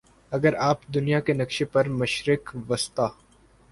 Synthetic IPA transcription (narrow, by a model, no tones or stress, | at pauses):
ɐɡəɾaːpd̪ʊnijakenɐkʃepɐɾmɐʃɾɪkʋɐst̪aː